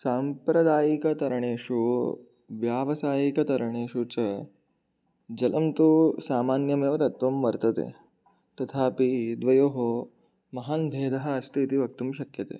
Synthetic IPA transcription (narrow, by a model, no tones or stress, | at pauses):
saːmpɾɐd̪aːjikɐt̪ɐɾɐɳeːʂu | ʋjaːʋɐsaːjikɐt̪ɐɾɐɳeːʂut͡ʃɐ | d͡ʒɐlʔɐmt̪usaːmaːnjɐmeːʋɐt̪ɐt̪ʋɐmʋɐɾt̪ɐt̪ḛː | t̪ɐt̪ʰaːpid̪ʋɐjoːɦo | mɐɦaːnbʱeːd̪ʱɐɦɐɐst̪ʰit̪iʋɐk̚t̪umʃɐkjɐt̪ḛː